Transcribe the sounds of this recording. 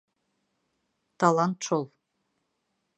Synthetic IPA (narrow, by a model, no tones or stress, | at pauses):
t̪ʰalˠant̪ʈ͡ʂʰolˠ